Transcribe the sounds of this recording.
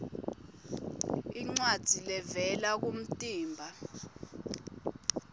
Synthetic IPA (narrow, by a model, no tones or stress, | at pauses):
iŋ͡ǀwad̥d̥ʱilɛvɛlak̬um̩tʼiːmbʱa